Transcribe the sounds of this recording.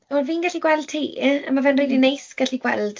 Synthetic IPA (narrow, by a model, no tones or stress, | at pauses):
awviːnɡaɬiɡwɛlˠd̥̚tʰiːa̰mavɛnridinejsɡ̥aɬiɡwɛ̰lˠd̥